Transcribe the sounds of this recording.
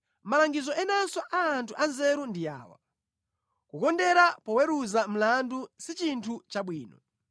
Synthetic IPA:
malaŋɡizɔɛnasɔʔaːntʰuʔanzɛɾundia̰ːwa̰ | kukɔndɛɾapɔwɛɾuzam̩landusit͡ʃintʰut͡ʃaɓwiːnɔ

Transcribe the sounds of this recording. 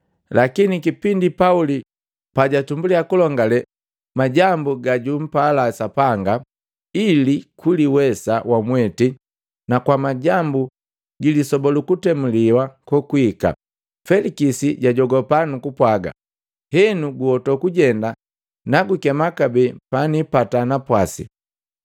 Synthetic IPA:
lakinikipindipauli | paɟatumbuliakulɔŋɡalɛ | maɟambuɡaɟum̩palasapaŋɡa | ilikuliwɛsawʔamwɛti | nakwamaɟambu | ɡilisɔbɔlukutɛmuliwakɔkuika̰ | fɛlikisiɟaɟɔɡɔpanukupwaɡa̰ | hɛnuɡuhɔtɔkuɟɛnda | naɡukɛmakabɛpanipatanapwasḭ

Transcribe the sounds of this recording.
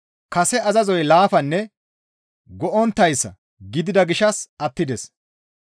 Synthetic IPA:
kɐsɛɐzɐzɔjlaːfɐnːɛ | ɡɔʔɔnt̪ːɐjsːɐ̰ | ɡɪd̪ɪd̪ɐɡɪʃɐsɐt̪ːɪd̪ɛs

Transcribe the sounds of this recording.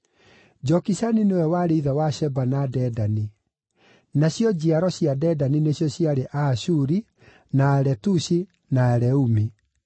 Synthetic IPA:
d͡ʑɔkisaninewɛwaɾeiðawaʃɛbanadɛdani | naɕjɔd͡ʑiaɾɔɕjadɛdanineɕjɔɕjaɾeʔaʃuɾi | naɛɾɛtuɕi | naɛɾɛumi

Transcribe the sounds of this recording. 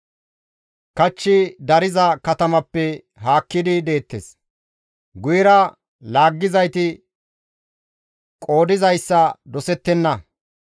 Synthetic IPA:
kɐt͡ʃːɪd̪ɐɾɪzɐkɐt̪ɐmɐpːɛ | ɦaːkːɪd̪ɪd̪e̞ːt̪ːes | ɡʊjɪɾɐ | laːɡːɪzɐjt̪ɪ | kʼo̞ːd̪ɪzɐjsːɐd̪ɔsɛt̪ːɛnːɐ

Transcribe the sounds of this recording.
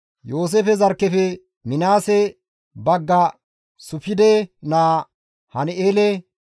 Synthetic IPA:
joːs̬efɛzɐɾkːɛfɛ | mɪnaːsɛ | bɐɡːɐ | sʊfɪd̪ɛnaː | hɐneːlɛ

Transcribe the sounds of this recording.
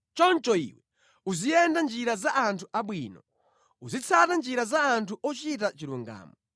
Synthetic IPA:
t͡ʃɔnt͡ʃɔḭwɛ | uzijɛndand͡ʒiɾazaʔːntʰuʔaɓwiːnɔ | uzit͡sʰatand͡ʒiɾazaːntʰuʔɔt͡ʃit̬at͡ʃiɾuŋɡa̰ːmɔ

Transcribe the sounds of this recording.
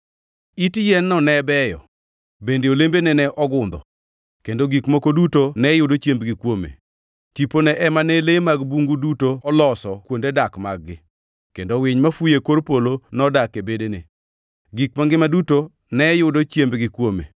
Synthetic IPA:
itjɛnːɔnɛbɛjɔ̰ | bendeolembenɛnɛʔɔɡʊnd̪ɔ̰ | kendoɡikmokodutonɛjʊdot͡ʃjembɡɪkwomḛ | tiponɛʔɛmanɛlemaɡbuŋɡudutoɔlɔsɔkwondedakma̰ɡ̚ɡɪ | kendowɪɲmafujekoɾpolonɔdakebedenḛ | ɡikmaŋɡɪmaduto | nɛjʊdot͡ʃjembɡɪkwomḛ

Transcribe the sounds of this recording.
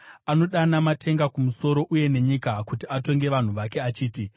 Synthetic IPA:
ano̞ɗanamatʰe̞ŋɡakumuso̞ɾo̞ʔuje̞ne̞ɲikakutiato̞ŋɡe̞ʋan̤uʋake̞at͡ʃiːti

